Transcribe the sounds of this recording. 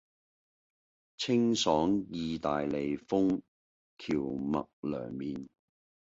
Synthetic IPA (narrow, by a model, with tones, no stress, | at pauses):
t͡sʰɪ˥ŋsɔː˨˥ŋjiː˨t̪aː˨jle˨jfʊ˥ŋ | kʰiː˨˩wmɐ̰˨k̚lœ̰ː˨˩ŋmiː˨n